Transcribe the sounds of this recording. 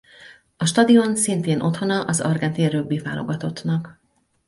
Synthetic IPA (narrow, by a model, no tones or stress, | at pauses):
ɒʃt̪ɒd̪io̞nsint̪eːnʔo̞t̪ho̞nɒʔɒzɒ̰rɡɛnt̪irøbːiva̰ːlo̞̰ɡɒt̪o̞t̪nɒk